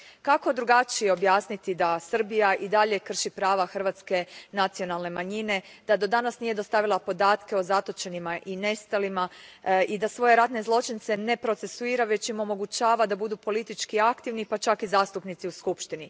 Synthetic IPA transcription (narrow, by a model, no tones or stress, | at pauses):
kako̞d̪ɾuɡat͡ʃijeo̞bjaːsnit̪id̪asr̩bijaʔid̪aʎe̞kr̩ʃipɾaːʋaxr̩ʋat̪ske̞nat̪sio̞nalˠne̞maɲine̞d̪̥ad̪o̞d̪anasnije̞d̪o̞st̪aʋilˠapo̞d̪aːt̪ke̞o̞zat̪o̞t͡ʃe̞nimaʔine̞st̪alimaid̪asʋo̞je̞ɾat̪ne̞zlˠo̞t͡ʃint̪se̞ne̞pɾo̞t̪se̞suiːɾaʋe̞t͡ɕimo̞mo̞ɡut͡ʃaːʋad̪abud̪upo̞lit̪it͡ʃkiakt̪iʋnipat͡ʃakizaːst̪upnit̪siuskupʃt̪ini